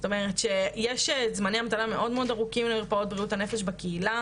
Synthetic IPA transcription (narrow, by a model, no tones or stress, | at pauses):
to̞me̞ʁet̪ʃejeʃezmaniamat̪alame̞ʔo̞dmeo̞daʁukimleiʁpao̞t̪̚bʁiuthanefeʃbakeila